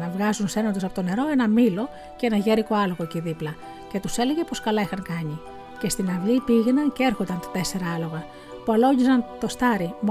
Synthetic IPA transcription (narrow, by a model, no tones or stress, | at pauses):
nɐvɣɐzunse̞nond̪os̬ɐpo̞t̪one̞ɾo̞e̞nɐmilo̞ | cee̞nɐʝe̞ɾiko̞ɐloɣo̞eciðiplɐ | ce̞t̪use̞le̞ʝe̞po̞skɐlɐixɐŋkɐɲi | ce̞st̪inɐvʎipiʝenɐncee̞ɾxond̪ɐnt̪ɐ̥t̪e̞se̞ɾɐɐlo̞ɣɐ | puɐlo̞ɟizɐnt̪o̞st̪ɐɾim